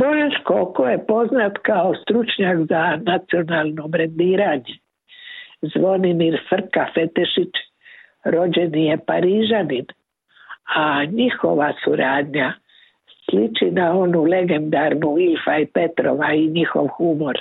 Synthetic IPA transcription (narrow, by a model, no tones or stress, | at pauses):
boʒet͡ʃkokoje̞po̞znat̪kaost̪ɾut͡ʃɲakzanat̪sio̞naːlˠno̞bɾend̪iːɾaɲe̞ | zʋo̞nimiɾfr̩kafe̞t̪eʃit͡ʃ | ɾo̞d͡ʑe̞nije̞paɾiːʒanin | aɲixo̞̰ʋasuɾaːd̪ɲa | slit͡ʃinao̞nule̞ɡe̞nd̪aɾnuilfaipe̞t̪ɾo̞̰ʋaiɲixo̞̰ʋxumo̞ɾ